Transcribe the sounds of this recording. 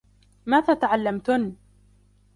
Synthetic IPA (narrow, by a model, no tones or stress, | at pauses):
maːðaːt̪aʕalːamt̪ʊn